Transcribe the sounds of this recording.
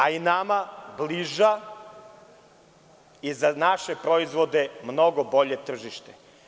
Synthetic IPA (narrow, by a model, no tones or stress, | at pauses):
ainamabliʒa | izanaʃepɾoizʋod̪e̞mno̞ɡobo̞ʎe̞t̪r̩ʒiʃt̪e